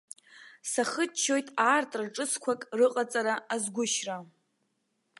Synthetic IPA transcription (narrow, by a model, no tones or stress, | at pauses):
saχət͡ʃʰːo̞jtʼaːrtʼraʈ͡ʂʼɨskʷʰakʼrɨqʼat͡sʼaɾaazɡʷʊʃra